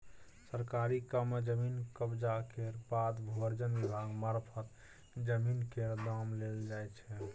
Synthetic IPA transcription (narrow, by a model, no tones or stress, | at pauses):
səɾkaɾikəmːed͡ʒəminkəbd͡ʒakeɾbat̪bʱoɾd͡ʒənbibʱaɡmaɾpʰət̪ | d͡ʒəminkeɾd̪amleld͡ʒajt͡ʃʰɛ